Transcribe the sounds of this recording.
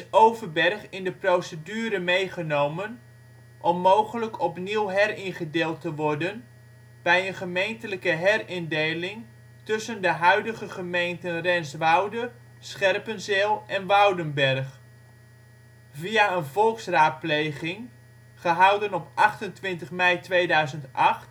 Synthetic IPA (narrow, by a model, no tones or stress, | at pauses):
ɪsowvərbɛrχɪndəprowsədyːɾəmejχənowmən | ʔɔmːowχələkʰɔpniwɦɛrɪnχədeːlˠtəʋɔrdən | b̥ɛjənχəmejntələkəɦɛrɪndejlɪŋ | tɵsəndəɦœɥdəɣəχəmejntənrɛnsʋɑwdə | sχɛrpənzɪːlˠʔɛnʋawdənbɛrχ | viaənvɔlˠksraːt̚plejχɪŋ | χəɦʌwdənɔpʔɑχtəntʋɪntəχmɛjtʋejdœɥzəntʔaχt